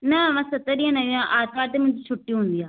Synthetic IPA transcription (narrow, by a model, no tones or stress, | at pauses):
naʋãːsət̪ːəɾiãːnãiãːʔaːskaːɾt̪eːmɛ̃t̪ːt͡ʃʰʊʈːiɦʊnd̪iaː